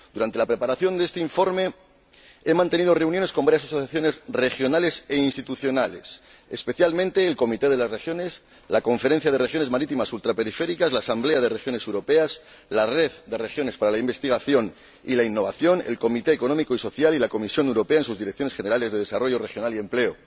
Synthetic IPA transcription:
d̪̥uɾant̪e̞lapɾe̞paɾaθjo̞nd̪ee̞st̪eiɱfo̞ɾme̞ | e̞mãnt̪e̞nið̞oreunjone̞skombaɾjasasoθjaθjo̞ne̞sre̞xjo̞nale̞se̞inst̪it̪uθjo̞nale̞̰sespe̞θjalmẽnt̪e̞ːlko̞mit̪e̞ðe̞lazre̞xjo̞ne̞s | lako̞ɱfeɾe̞n̟θjaðe̞re̞xjo̞ne̞zmaɾit̪imasult̪ɾape̞ɾife̞ɾikazlaːsamble̞aðe̞re̞xjo̞ne̞sewɾo̞pe̞az | lare̞ðd̪e̞re̞xjo̞ne̞spaɾalaimbe̞st̪iɣ̞aθjo̞n | ḭlainːo̞β̞aθjo̞nḛlko̞mit̪e̞ːko̞no̞miko̞iso̞θjalilako̞misjo̞newɾo̞peaens̬uzðiɾekθjo̞nesχe̞ne̞ɾalezðeðe̞saro̞ʝo̞re̞xjo̞nalie̞mple̞o

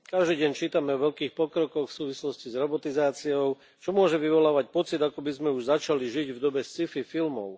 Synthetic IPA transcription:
kaʒd̪iːɟɛɲt͡ʃiːt̪amɛɔʋɛʎkiːxpɔkɾɔkɔxfsuːʋislɔscizɾɔbɔt̪izaːt͡siɔʊ | t͡ʃɔmʊɔʒɛʋiʋɔlaːʋac̚pɔt͡sid̪akɔbizmɛuʒzat͡ʃaliʒiɟvd̪ɔbɛst͡sififilmɔ̰ʊ

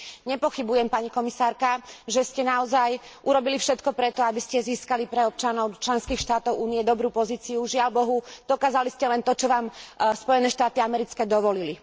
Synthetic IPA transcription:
ɲɛpɔxibujɛmpaɲikɔmisaːɾkaʒɛscɛnaɔzajʔuɾɔbilifʃɛt̪kɔpɾɛt̪ɔabiscɛziːskalipɾɛɔp̚t͡ʃanɔʊt͡ʃlɛnskiːxʃt̪aːt̪ɔʊʔuːnijɛd̪ɔbɾuːpɔziːt͡siuʒɪalbɔɦud̪̥ɔkaːzaliscɛlɛnt̪ɔt͡ʃɔʋaːmspɔjɛnɛːʃt̪aːt̪iamɛɾit͡skɛːd̪ɔʋɔlili

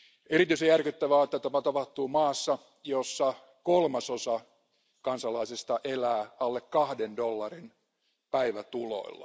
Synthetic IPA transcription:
erit̪yisejærkyt̪ːæʋæɑːet̪ːæt̪ɑpæt̪ɑpɑht̪uːmɑːsːɑ | josːɑ | kolmɑsosɑ | kɑnsɑlɑisest̪ɑʔelæːɑlːekkɑhdendolːɑrin | pæiʋæt̪ulo̰ilːɑ̰

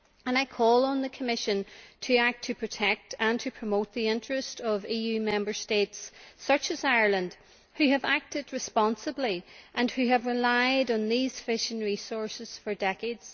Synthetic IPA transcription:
ə̃naɪkʰɔlˠə̃nðəkʰəmɪʃə̃ntʰɨak̚tʰɨpʰɹ̥ɨtʰɛk̚tə̃ntʰɨpʰɹ̥əmot̪̚ðiɪ̃nt͡ʃɹ̥ɨstʌvijʉmɛ̃mbə˞stetsːʌt͡ʃɨzaɪə˞lˠə̃nd̥ | hʉɨvak̚tɨd̚ɹɨspɑ̃nsəbliʔə̃nhʉəvɹɪlaɪɾn̩ðiz̥fɪʃɪ̃ŋɹisɔɹsɪz̥fə˞dɛkeɪdz̥

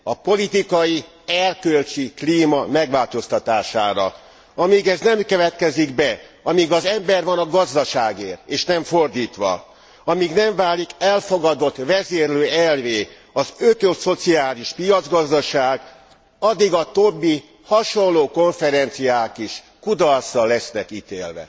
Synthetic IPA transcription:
ɒpo̞lit̪ikɒji | ɛrkølt͡ʃikliːmɒmɛɡʋaːlt̪o̞st̪ɒt̪aːʃa̰ːɾɒ̰ | ɒmiːɡɛznɛmkøvɛt̪kɛziɡbɛɒmiɡɒzɛmbɛrvɒnɒɡɒzd̪ɒʃaːɡḛːreːʃnɛɱfo̞rd̪iːt̪ʋɒ̰ | ɒmiːɡnɛɱvaːlikɛlfo̞ɡɒd̪o̞t̪ːʋɛzeːrløːɛlveː | ɒzøt̪øso̞t̪siaːliʃpijɒd̪zɡɒzd̪ɒʃaːɡ | ɒd̪iɡɒt̪o̞bːi | hɒʃo̞nlːoːko̞ɱfɛɾɛnt̪sijaːkiʃ | kud̪ɒlsɒlːɛsnɛkit̪ḛːlvɛ̰

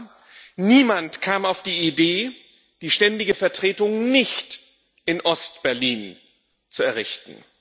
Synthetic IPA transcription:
niːmantkʰaːmaʊfd̥iːideː | d̥iːʃtɛndɪɡəfɛɐtʁ̥eːtʊŋnɪçt | ʔɪnʔɔst̚b̥ɛɐliːn | t͡suɛɐʁɪçtn̩

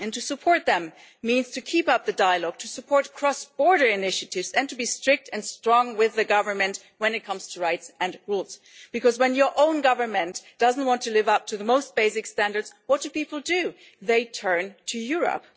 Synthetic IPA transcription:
ɨ̃ntɨsɨpʰɔɹt̪̚ðɨ̃mː | ĩnz̥tʰɨkʰipʌp̚ðɨdaɪəlɔɡ̥̚tʰɨsɨpʰɔɹt̚kʰɹ̥ɔsb̥ɔɹɾə˞ɨnɪʃɨɾɪvzɨ̃ntʰɨbistɹ̥ɪk̚tɨ̃nstɹ̥ɔ̃ŋwɪðɨɡʌvə˞mɨ̃nt | wə̃nɨt̚kʰʌ̃mz̥tʰɨɹaɪtsɨ̃nɹulˠz̥ | b̥ɨkʰʌzwə̃njə˞ʔõʊ̃nɡʌvə˞mɨ̃nd̥ʌzn̩t̚wɑ̃ntʰɨlɪvʌp̚tʰɨðəmoʊst̚b̥eɪsɨkstæ̃ndə˞dz̥wʌt̚dɨpipl̩ˠdɨ | ðeɪtʰɜ̃˞ntʰɨjʊɹə̰p̚

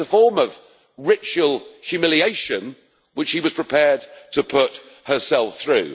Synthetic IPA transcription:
əfɔɹmʌv | ɹɪt͡ʃəlˠhjʉmɪlieɪʃɨ̃n | wɨt͡ʃhiwʌz̥pʰɹ̥ɪpʰɛɹd̚tʰəpʰʊt̚ | hə˞sɛlˠfθɹʉ̰

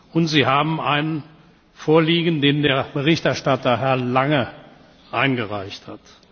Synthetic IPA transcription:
ʔʊntz̥iːɦaːbm̩aɪnən | foːɐliːɡən̩deːndeːɐbəʁɪçtɛɐʃtatɐɦɛɐlaŋə | ʔaɪnɡəʁaɪçthat

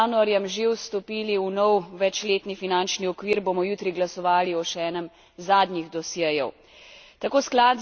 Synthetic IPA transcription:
aːnuaɾjɛmʒewst̪ɔpiːliunɔwʋɛt͡ʃleːt̪nifinant͡ʃniɔkʋiːɾboːmɔjut̪ɾiɡlasɔʋaːliɔʃɛːnɛm | zaːd̪niɣd̪ɔsjɛjɛw | t̪akoːsklaːt̪

